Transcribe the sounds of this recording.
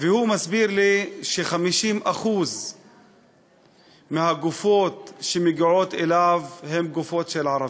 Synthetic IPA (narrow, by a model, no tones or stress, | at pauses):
vehumasbiɾliʃeχamiʃimʔaχuz | mehaɡufot̪ʃemeɡiʕot̪ʔelavhemɡufot̪ʃelʕaɾˤɑv